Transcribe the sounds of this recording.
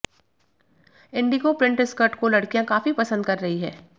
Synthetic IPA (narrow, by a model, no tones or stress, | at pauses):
ɪ̃ɳɖikopɾɪ̃ɳʈɪskɐɾʈkolɐɽkijãkaːfipɐsə̃nd̪̚kɐɾːɐɦiɦɛː